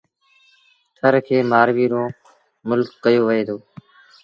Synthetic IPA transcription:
t̪ʰəɾkʰeːmaːɾʋiːɾõː | mʊlkːəjoːʋəɦeːt̪ʰoː

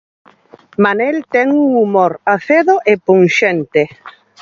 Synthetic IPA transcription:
manɛlt̪ɛŋuŋumoɾaθeðoʔepuŋʃent̪e

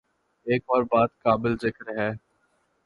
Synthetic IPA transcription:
eːkɔːɾbaːd̪kaːbɪlzɪkəɾɦɛː

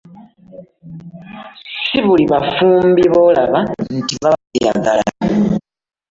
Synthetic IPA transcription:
siβuliβafuːmbiβo̞ːlaβantiβaβia̰ɡalaa

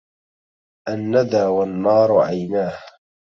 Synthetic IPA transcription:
ʔanːad̪aːwanːɑːɾˤʕajnaːh

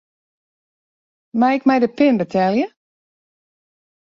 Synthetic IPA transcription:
maɪkmɛjdəpɪnbətʰɛlˠjə

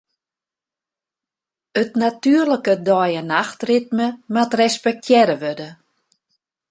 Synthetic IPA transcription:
ətnatyərləkədɔjənaxtrɪt̚məmatrɛspɛk̚tʰjɛɾəʋødə

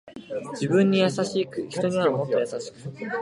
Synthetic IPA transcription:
d͡ʑibɯ̟̃ɲ̟ːijasaɕiːkɯ̟çi̥t̪o̞ɲ̟iβamo̞t̪ːo̞jasaɕi̥kɯ̟

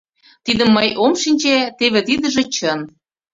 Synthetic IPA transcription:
t̪id̪ə̆mːɤjomʃinʲt͡ɕet̪eβĕt̪id̪ə̆ʒĕt͡ɕən

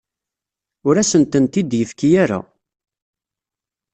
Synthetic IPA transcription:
ʊɾæsənt̪ənt̪id̪jəfkijaɾa̰

